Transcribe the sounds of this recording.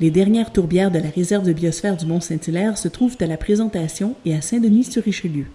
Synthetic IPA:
led̪ɛʁnjɛːʁt̪uʁbjɛːʁd̪əlaʁezɛʁvd̪əbjɔsfɛːʁd̪ymɔ̃sɛ̃t̪ilɛːʁsət̪χuvt̪alapχezɑ̃t̪asjɔ̃easɛ̃d̪ənisyʁiʃəljø

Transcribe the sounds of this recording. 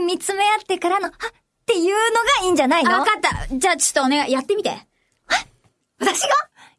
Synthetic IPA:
mʲit͡sɨme̞at̪ːe̞kaɾano̞a | t̪e̞jɯːno̞ɡaĩːɲ̟d͡ʑanaioβakat̪ːad͡ʑaːt͡ɕo̥t̪ːonejat̪ːe̞mʲit̪e̞̰ | a | βat̪aɕiɡa

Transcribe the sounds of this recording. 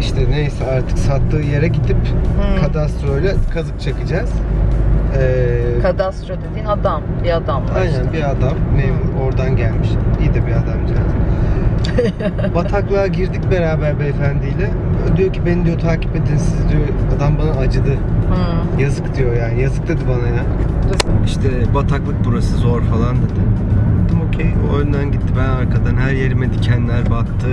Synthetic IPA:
iʃt̪ʰɛne̞jsɛaɾt̪ʰɯ̥ksat̪ːɯːje̞ɾɛɟit̪ʰipkʰad̪ast̪ɾojlʲɛkʰazɯp̚t͡ʃʰakɯd͡ʒaz̥ | ɛːkʰad̪ast̪ɾod̪ed̪iːnad̪ambiad̪amaajnænbiad̪amːejoo̞ɾd̪anɟælʲmiʃd̪ijd̪ɛbiad̪amd͡ʒad̪ | bat̪ʰaklˠaɟiɾd̪icbe̞ɾaːbæɾbɛefænd̪ijlʲɛ | d̪ijo̞cʰibe̞nid̪ijo̞t̪ʰaːcʰi̥pet̪ʰːinsizd̪ijoad̪ambanaːd͡ʒɯd̪ɯ | jazɯkd̪ijo̞jaːnijazɯk̚d̪ed̪ibanaja | iʃt̪ʰɛbat̪ʰaklˠɯk̚buɾasɯzoɾfalˠand̪ed̪ɪ | bad̪ɯmocʰejo̰jynd̪anɟit̪ʰːibænaɾkʰad̪anɦæɾjeɾimed̪icʰɛnd̪ilʲæɾbak̚t̪ʰːɯ

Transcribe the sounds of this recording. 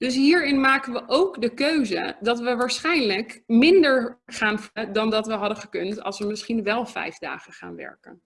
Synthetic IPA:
d̥ɵs̬ɦiːɹɪnmaːkənʋəʔowkdəkøɥzə̰dɑtʋəʋaːɹsχɛjnləkmɪndəɹχaːnvədɑndɑtʋəɦɑdəχəkɵntɑ̰lˠsʋəmɪsχinʋɛlˠvɛ̰jvda̰ːχənχa̰ːnʋɛ̰ɹkə̰n

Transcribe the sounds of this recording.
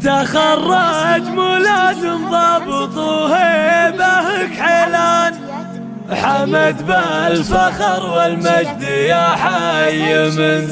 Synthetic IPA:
t̪axɑrˤːɑd͡ʒ̪mulaːd̪ɪnðˤɑːbɨt̪ˤuhebahəkħeːlaːn | ħamːad̪balfaxɑɾˤwɪlmad͡ʒd̪ijaħajɪmɪn

